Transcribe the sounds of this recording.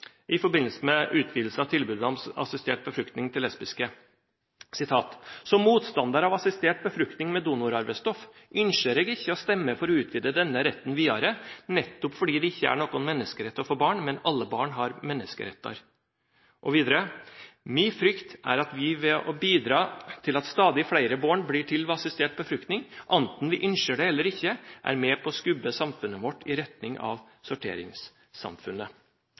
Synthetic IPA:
ʔɪfɔɾbɪnːəlsəmɛʔʉːt̪ʰʋiːd̪l̩səɑʋt̪ʰɪlbʉːd̪ɑʋɑ̰sɪst̪eːʈ̚bəfɾʏkt̪nɪŋt̪ʰɪlɛspɪskə | sɪt̪ʰɑːt̪sɔmːuːt̪st̪ɑnd̪ɑɾɑʋɑsɪst̪eːʈ̚bəfɾʏk̚t̪nɪŋmɛd̪uːnʊɾɑɾʋəst̪ɔf | ʔʏnʃəɾeːɡɪçːəɔst̪ɛmːəfɔɾɔʉːt̪ʰʋiːd̪əd̪ɛnːəɾɛt̪ːənʋiːɑɾənɛt̪ːʊpfɔɖiːd̪ɛɪçːəæ̰ɳoːkɔnmɛnːəskəɾɛt̪ːɔfoːbɑːɳmɛnɑlːəbɑːɳɦɑɾmɛnːəskə̰ɾɛt̪ːɑ̰ɾ | ʔɔʋiːd̪əɾəmyːfɾʏkt̪æ̰ɾɑt̪ʋɪʋɛʔɔbiːd̪ɾɑːt̪ʰɪlɑt̪st̪ɑːd̪ɪflæɪɾəboːɳbliːʈʰɪlʋɑsɪst̪eːʈ̚bəfɾʏkt̪nɪŋʔɑnt̪n̩ʋɪʔʏnʃəɖɛɛlːəɾɪçːəʔæ̰ɾmɛpʰɔskʉbːəsɑmfʉnːəʋɔʈʰːɪɾɛt̪nɪŋɑ̰ʋ | sʊʈʰḛːɾɪ̰ŋs | sɑ̰mfʉnə

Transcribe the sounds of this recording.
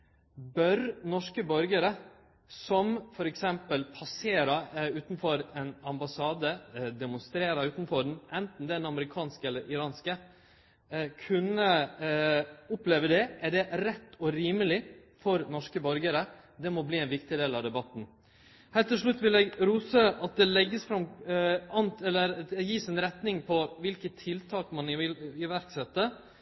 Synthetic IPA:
bœɾnɔʂkəbœɾɡəɾə | sɔmfɔɾɛksɛmpəlpʰɑseːɾəʉːt̪nfɔɾɛnɑmbɑsɑːd̪əd̪ɛmʊnst̪ɾeːɾəʉːt̪n̩fɔɖɛnʔɛnt̪n̩d̪ɛd̪ɛnɑməɾɪkʰɑːnskəɛlːəɾɪɾɑːnskə | kʰʉnə | ʊpleːʋəd̪ɛʔæɖɛɾɛt̪ːɔɾiːməlɪfɔɾnɔʂkəbœɾɡəɾə | d̪ɛmɔbliːɛɪnʋɪkt̪ɪd̪eːlɑʋd̪ɛbɑt̪ːn̩ | hæːɾt̪ɪlʂ̬ɭʉt̪ːʋɪlɛɡɾuːsəʔɑt̪̚d̪ɛlɛɡːəsfɾɑmɑnt̪ɛlːəɾjiːsɛnɾɛt̪nɪŋpʰɔʋɪlkət̪ʰːɪlt̪ʰɑːkmɑnɪɪlɪʋæɾksɛt̪ːə

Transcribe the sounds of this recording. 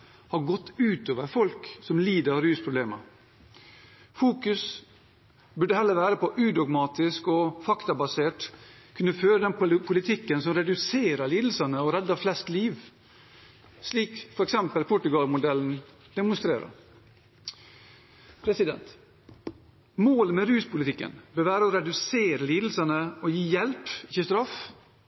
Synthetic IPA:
hɑɾɡɔt̪ːʉːt̪oːʋəɾfɔlksɔmliːd̪əɾɾyːspʰɾʊbleːmɑ | fuːkʉs | bʉɖəhɛlːəɾʋæːɾəpɔʔʉd̪ɔɡmɑːt̪ɪskɔfɑkt̪ɑbɑseːʈkʰʉnːəføːɾəd̪ɛnpʰʊlɪt̪ʰɪkːənsɔmɾɛd̪ʉseːɾəɾliːd̪l̩sɑnəɔɾɛd̪ːɑflɛst̪liːʋ | sliːkfɔɾɛksɛmpəlpʰʊʈʉɡɑlmʊd̪ɛln̩ | d̪̥ɛmʊnst̪ɾḛːɾə̰ɾ | pʰɾɛsɪd̪ɛ̰nt̪ | moːləmɛɾʉːspʊlɪt̪ɪkːə̰nbəːʋæːɾəɔɾɛd̪ʉseːɾəliːd̪l̩sənəɔjiːjɛlpɪçːəst̪ɾɑf

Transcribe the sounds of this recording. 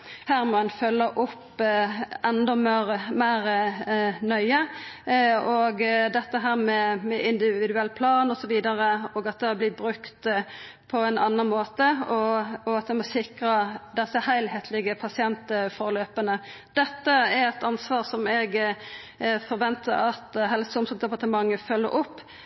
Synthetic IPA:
hæːʁmɔɛnfœlːəʔʊpː | ʔɛnd̪ɔmɾmæɪɾ | nœʏə | ɔɡd̪ɛt̪ːəɦæːɾmɛmɛʔɪnd̪ɪʋɪd̪ʉɛlːpʰlɑːnɔsɔʋiːd̪ɑʁəɔːɡɑt̪̚d̪ɛæblɪːbɾʉkt̪ | pʰɔɛnɑnːɑnmoːt̪əɔɔɑt̪ʋɛmɔsɪkʁɑd̪ɛsːəhæɪlheːt̪ʰlɪɡəpʰɑsɪɛnt̪fɔʁløːpənə | d̪̥ɛt̪ːəɛɾɛt̪ɑnsʋɑːʁsɔmɛɡ | fɔɾʋɛnt̪ʰə̰ɾɑt̪ɦɛlsəʊmsəd̪ɛpɑʁʈ̪əmɑŋːəfœlːə̰ɾʔʊpː

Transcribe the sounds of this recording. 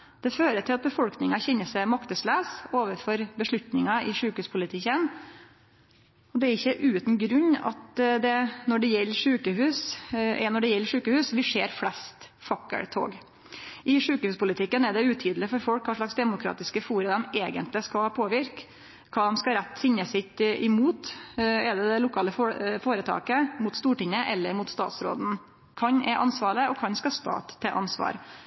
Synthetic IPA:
d̪̥ɛføːɾəʈ̪ʰɪlɑt̪̚bəfɔlknɪŋɑçɛnːəsæmɑkt̪əslæːsoːʋəfɔɾbəʂɭʉt̪nɪŋɑʔɪʂʉːkəhʉːspʰʊlɪt̪ʰɪkːən | ɔd̪ɛæɾɪçːəʔʉːt̪nɡɾʉɲːɑ̰t̪d̪ɛnɔɖɛjɛlːəɾʂʉːkəhʉːsɛnɔɖɛjɛlːəʂʉːkəhʉːsʋɪʂeːɾflɛst̪ | fɑkːə̰ɽt̪ʰo̰ːɡ | ʔɪʂʉːkəhʉːspʊlɪt̪ʰɪkːənɛɖɛʉːt̪ʰiːd̪l̩ɪfɔɾfɔlkkʰɑːʂɭɑksd̪ɛmʊkʰɾɑ̰ːt̪ɪskəfuːɾəd̪ɛmeːɡənt̪lɪskɑpʰoːʋɪɾk | kʰɑːd̪ɛmskɑɾæt̪ːfɪɲːəsɪt̪ʔɪmuːt̪ɛɖɛd̪ɛlʊkʰɑːləffoːɾət̪ʰɑ̰ːkəmʊt̪st̪uːʈɪŋːəʔɛlːəɾmʊt̪st̪ɑ̰ːt̪sɾo̰ːd̪n̩ | kʰɑɲɛʔɑnsʋɑːɭəɔkʰɑnskɑst̪ɑ̰ːt̪ʰːɛʔɑ̰nsʋɑ̰ːɾ

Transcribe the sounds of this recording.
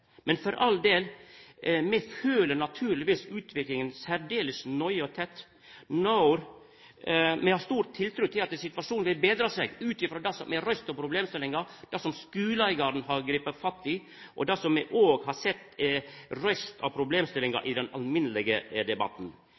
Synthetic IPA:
mɛnfɔɾʔɑld̪eːl | mɛføːləɾnɑt̪ʰʉːɾlɪʋiːsʉːt̪ʰʋɪklɪŋənsæɾɖ̪eːlɪsnɔʏəɔt̪ʰɛt̪ː | naʊɾ | mɛhɑst̪uːɾt̪ʰːɪlt̪ʰɾʉt̪ʰɪlɑt̪sɪt̪ʋɑʂuːnʋɪlbeːd̪ɾɑsɛɡʉːt̪ɪfɾoːd̪ɑsɔmɛɾœst̪ɑpʰɾʊbleːmst̪ɪlɪŋɑd̪ɑsɔmskʉːlæɪɡɑɾn̩ɦɑɾɡɾiːpəfɑt̪ːɪ | ʔɔ̰d̪ɑsɔmːɛʔoːɡhɑɾsɛt̪ː | ɾœst̪ʰɑ̰ʋpʰɾʊbleːmst̪ɪlɪŋɑ̰ɾʔɪd̪ɛnɑ̰lmɪnəlɪɡəd̪ɛbɑ̰t̪n

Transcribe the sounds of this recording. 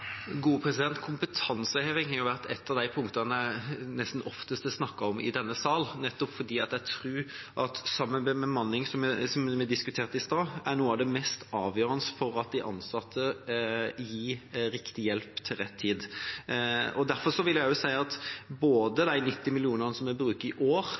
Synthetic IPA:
ɡuːəpʰɾɛsɪd̪ɛnt̪kʰʊmpət̪ʰɑnsəhɑʋɛŋk̪jʊʋæʁt̪ɛt̪ːɑʋd̪æɪpʰʊŋkt̪ɑnəɛnɛst̪n̩ɔft̪əst̪əsnɑkːɑɔmɪ̰d̪ɛnːəsɑːlnɛt̪ːɔpfɔd̪iːɑt̪jæɪt̪ʰɾʉːʔɑt̪sɑmːənbəmɛmɑnlɪŋsɔmsɔmʋɪd̪ɪskʉt̪ʰeːɾʁt̪ɪst̪ɑːænuːəɑʋd̪ɛmɛst̪ɑːʋjøːɾənəsfɔɾɑt̪̚d̪æɪʔɑ̰nsɑt̪ʰːə | jiːɾɪkt̪ɪjɛlpt̪ʰɪlʁɛt̪ʰːiːd̪ | ɔd̪æɾfɔɾʂɔʋɪljæɪjʊsæɪɑt̪boːd̪əd̪æɪnɪt̪ːɪmɪlɪuːnənəsɔmæbɾʉːkɪʔoːɾ

